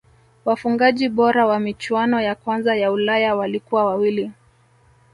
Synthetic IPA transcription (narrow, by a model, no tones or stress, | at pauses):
wafuŋɡaʄiɓɔɾawamit͡ʃwanɔjakwanzajaulajawalikuwawawili